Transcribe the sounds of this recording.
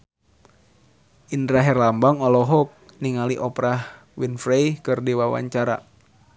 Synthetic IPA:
ʔindɾaɦɛrlambaŋɔlɔɦɔk̚ | niŋaliʔɔpɾah | winfɾejkɨrdiwawa̰ɲt͡ʃaɾa̰

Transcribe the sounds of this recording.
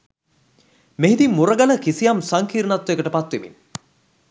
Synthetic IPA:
meɦid̪imːuɾəɡaləkisijamsaŋkiːɾnat̪ːʋjekəʈəpat̪ʋiʋḭn

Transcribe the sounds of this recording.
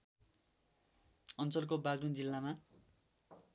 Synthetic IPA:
ʌnt͡sʌlk̬obaɡɾund͡zilːama

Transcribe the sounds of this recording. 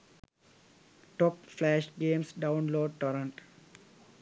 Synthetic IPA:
ʈɔːpflæːʃɡẽːmsɖãʊ̃nloːɖ̚ʈɔɾə̃ɳʈ

